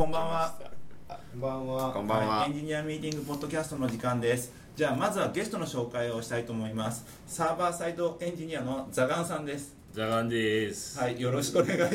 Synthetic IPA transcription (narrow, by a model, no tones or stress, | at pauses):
kõ̞mbãβa | bãβakõmbãaẽɲ̟d͡ʑiɲ̟iamʲiːt̪ʲĩŋɡɯ̟po̞d̪ːo̞kʲasɨ̥t̪o̞no̞d͡ʑikãnd̪esɨ̥ | d͡ʑaːmazɨβaɡe̞sɨ̥t̪ono̞ɕo̞ːkaio̞ɕi̥t̪ait̪oːmo̞imasɨ̥ | saːbaːsaid̪o̞ʔẽ̞ɲ̟d͡ʑiɲ̟iano̞d͡zaɡãɰ̃sãnd̪e̞sɨ̥ | zaɡãnd̪eshaijo̞ɾo̞ɕi̥kɯoneɡa